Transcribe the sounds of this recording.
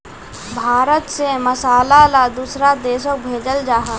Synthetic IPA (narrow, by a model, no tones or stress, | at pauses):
bʱaːɾət̪seməsaːlalad̪uːsɾad̪eːʃok̚bʱeːd͡ʒəld͡ʒaːɦa